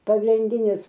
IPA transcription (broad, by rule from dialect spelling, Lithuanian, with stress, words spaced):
pɐɡrʲɪnʲˈdʲɪnʲɪs